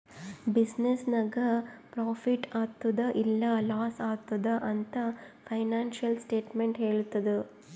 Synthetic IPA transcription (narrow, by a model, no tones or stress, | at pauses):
bisnesnɐɡɐpɾaːpʰiʈaːt̪ːud̪ɐʔilːɐlaːsaːt̪ːud̪ɐʔɐnt̪ɐpʰɐjnaːnʃɐlsʈeːʈmeɳʈɦeːɭut̪ːɐd̪u